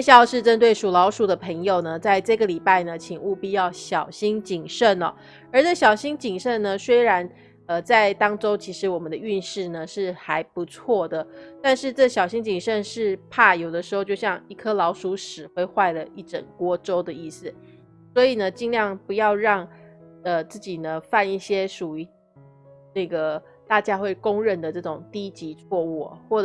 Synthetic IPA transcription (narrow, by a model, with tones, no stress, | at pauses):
e˥ɕɑ˥˩ʂɻ̩˥˩ʈ͡ʂə˥nt̪we˥˩ɪʂu˨˩lɑ˧˥ʊʂu˨˩d̪ə˧pʰə˧˥ŋjo˨ʊnə˩t͡sa˥˧ɪʈ͡ʂɤ˥˩ɡə˩li˨˩pa˥˩ɪnə˩t͡ɕʰi˨˩ŋu˥˧pi˥˧jɑ˥˩ʊɕjɑ˨˩ʊɕi˥ŋt͡ɕi˨˩ŋʂə˥˩nɔ̰˩ | ə˞˧˥ʈ͡ʂɤ˥˩ɕjɑ˨˩ʊɕi˥ŋt͡ɕi˨˩ŋʂə˥˩nnə˩swe˥ɪɻa˧˥n | ə˧t͡sa˥˩ɪt̪ɑ˥ŋʈ͡ʂo˥ʊt͡ɕʰi˧˥ʂɻ̩˧˥wɔ˨˩mə˦nd̪ə˧y˥˧nʂɻ̩˥˩nə˩ʂɻ̩˥˩xa˧˥ɪpu˧˥t͡sʰwɔ˥˩d̪ə˩t̪a˥˧nʂɻ̩˥˧ʈ͡ʂɤ˥˩ɕjɑ˨˩ʊɕi˥ŋt͡ɕi˨˩ŋʂə˥˧nʂɻ̩˥˧pʰa˥˩jo˨˩ʊd̪ə˦ʂɻ̩˧˥xo˥˧ʊt͡ɕo˥˧ʊɕjɑ˥˧ŋi˥˩kʰɤ˥lɑ˧˥ʊʂu˧˥ʂɻ̩˨˩xwe˥ɪxwa˥˩ɪlə˩i˥˩ʈ͡ʂə̰˨˩nkwɔ˥ʈ͡ʂo˥ʊd̪ə˨i˥˩sɹ̩˨˩ | swɔ˧˥i˨˩nə˦t͡ɕi˥˧ŋljɑ˥˩ŋpu˧˥jɑ˥˧ʊɻɑ˥˧ŋə˧t͡sɹ̩˥˩t͡ɕi˨˩nə˦fa˥˧ni˥˩ɕjɛ˥ʂu˨˩y˧˥ | nə˥˩ɡə˩ | t̪a˥˩t͡ɕja˥xwe˥˩ɪkʊ˥ŋɻə˥˩nd̪ə˩ʈ͡ʂɤ˥˩ʈ͡ʂʊ˨˩ŋt̪i˥t͡ɕi˧˥t͡sʰwɔ˥˧u˥˩xwɔ˥˩